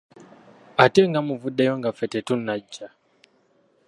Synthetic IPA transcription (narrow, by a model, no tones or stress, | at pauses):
atɛŋɡamuvuɗɛjɔŋɡafɛtɛtunːad͡ʒa